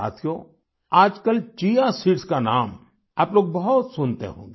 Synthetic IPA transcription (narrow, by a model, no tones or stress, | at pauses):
a̰ːt̪ʰijo | aːd͡ʒkəlt͡ʃijasiʈskanaːm | ɐploːɡ̚bɐɦʊt̪sʊnt̪ḛɦõ̰ːŋɡe